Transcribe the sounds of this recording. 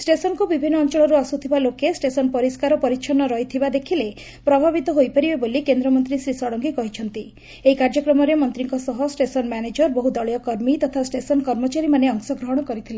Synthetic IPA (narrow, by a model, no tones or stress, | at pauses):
sʈesɔnkubibʱinːɔːnt͡ʃɔɭɔɾuasut̪ʰibalokesʈesɔnpɔɾiskaɾɔpɔɾit͡ʃʰɔnɔɾɔjt̪ʰibad̪ekʰile | pɾɔbʱabit̪ɔɦojpaɾibebolikend̪ɾɔmɔnt̪ɾisɾisɔɽɔŋɡikɔɦit͡ʃʰɔnt̪i | eikaɾd͡ʒɔkɾɔmɔɾemɔnt̪ɾiŋkɔsɔɦɔsʈesɔnmaned͡ʒɔɾbɔɦud̪ɔɭjɔkɔɾmit̪ɔt̪ʰasʈesɔnkɔɾmɔt͡ʃaɾimaneɔŋsɔɡɾɔɦɔɽ̃ɔkɔɾit̪ʰile